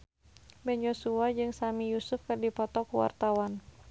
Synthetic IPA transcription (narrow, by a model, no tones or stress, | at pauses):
bɛnjosuad͡ʒɨŋsamijusʊfkɨrdipɔt̪ɔkuwa̰rt̪awan